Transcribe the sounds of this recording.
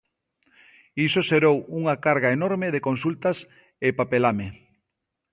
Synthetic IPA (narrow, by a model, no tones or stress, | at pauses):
isoʃeɾowuŋakaɾɣaenɔɾmeðekonsult̪ɐs | epapelame